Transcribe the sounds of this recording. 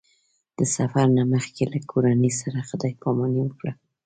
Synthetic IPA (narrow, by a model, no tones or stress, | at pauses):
d̪̥əsafaɾnaməxkelakʰoɾanəsaɾaxəd̪ɑjpɑmɑniwəkɽa